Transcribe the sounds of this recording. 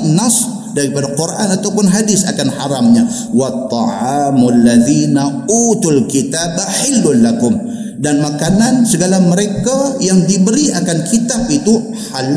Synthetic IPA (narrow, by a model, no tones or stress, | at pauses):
nɑs | daɾipadaqurʔanat̪awpʊnɦadɪsa̰kanhaɾamɲa | wɑt̪ˤːɑ̰ʕaːmalːaðina | uːt̪ulkit̪abaħɪlːʊnlakʊm | danmakanansəɡalaməɾekajaŋdibəɾiakankʰit̪ap̚it̪u | hal